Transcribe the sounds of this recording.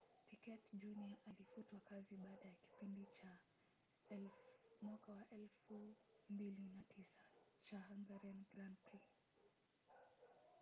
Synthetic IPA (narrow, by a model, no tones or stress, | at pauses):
pikɛtd͡ʒuniaʔalifutwakaziɓaːɗajaki̥pindit͡ʃa | ɛlmwakawaʔɛlfumbilinatʰisḁt͡ʃahaŋɡaɾɛnɡɾantɾi